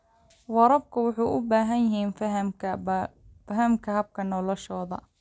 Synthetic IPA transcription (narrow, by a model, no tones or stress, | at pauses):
wɑɾɐbkʰʊwʊħɑjʔʊbaːɦɐnjɪɦiːnfɐɦɐɐfɐɦɐmkʰɐɦɐb̚kʰɐnɔlɔʃɔːðɐ̰